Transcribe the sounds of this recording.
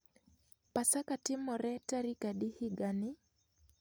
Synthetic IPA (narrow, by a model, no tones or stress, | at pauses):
pasakatɪmɔɾɛtaɾikaɗihiɡanɪ